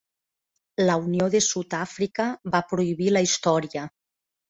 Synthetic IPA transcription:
launioðesut̪afɾikaβapɾuiβilaist̪ɔɾjə

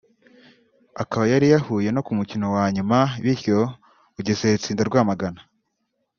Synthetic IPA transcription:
akaβajaɾijahuːje̞no̞kumucino̞waɲumaβiɾço̞ | uɟezeɾut͡siːndaɾɡwaːmaɡana

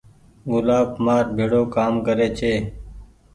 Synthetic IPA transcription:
ɡʊlaːbmaːɾbʱeːɽoːkaːmkəɾeːt͡ʃʰeː

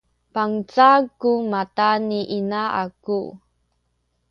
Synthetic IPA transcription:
paŋt͡saɡumataniʔinaaku

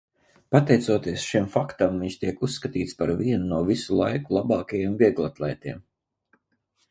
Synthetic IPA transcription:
pat̪ɛjt̪suɔt̪iɛəsʃimfakt̪amviɲʃt̪iɛkusːkat̪iːt̪spaɾviɛnunuɔvisulˠajkulˠabɑːkajiɛmviɛɡlˠat̪lˠɛjt̪iɛm

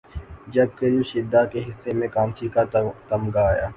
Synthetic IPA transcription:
d͡ʒɐb̚kejoʃɪd̪ːakeɦɪsːemẽkaːnsikat̪ɐmɡaaːjaː

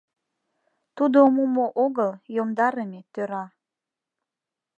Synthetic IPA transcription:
t̪ud̪omumoʔoɣəljomd̪ɑɾəmet̪øɾɑ

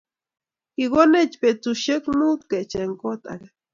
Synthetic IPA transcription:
iɡonet͡ʃpet͡suʃekmut̪ket͡ʃeŋkot̪a̰ka

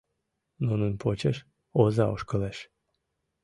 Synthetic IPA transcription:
nonənpʰot͡ɕeʃ | ozɑoʃkəlɛʃ

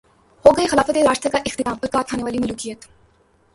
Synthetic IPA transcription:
hoːɡɐexɐlaːfət̪eɾaːʃt̪əkaʔɪxt̪ɪt̪aːmpəɾkaːkʰaːneʋaːlimʊluːkijːət̪

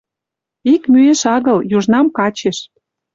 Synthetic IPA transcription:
ikmyeʃɑɣə̆ljuʒnɑmkɑt͡ɕeʃ

